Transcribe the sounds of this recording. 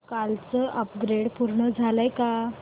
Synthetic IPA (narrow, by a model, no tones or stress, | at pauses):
kalt͡səʔəpɡɾeɽpuɾɳəd͡zʱaləjka